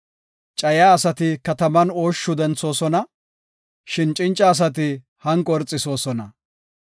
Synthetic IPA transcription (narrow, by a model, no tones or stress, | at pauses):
t͡ʃʼɐjaːɐsɐt̪ɪkɐt̪ɐmɐno̞ːʃːʊd̪ɛnt͡so̞ːsɔnɐ | ʃɪnt͡ʃʼɪnt͡ʃʼːɐːs̬ɐt̪̬ɪ | hɐŋkʼɔɾt͡sʼːɪso̞ːsɔnɐ